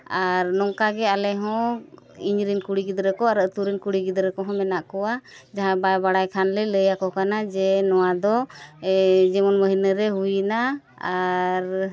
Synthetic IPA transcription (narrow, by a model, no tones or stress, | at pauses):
aɾnɔŋkaɡɛalɛɦɔ̃ | iɲɾinkuɽiɡid̪ɾəkɔaɾət̪uɾinkuɽiɡid̪ɾəkɔɦɔ̃mɛnaʔkɔwa | d͡ʒaɦãbajbaɽajkʰanlələjakɔkanad͡ʒɛnɔwad̪ɔ | d͡ʒɛmɔnməɦinəɾɛɦujna | aɾ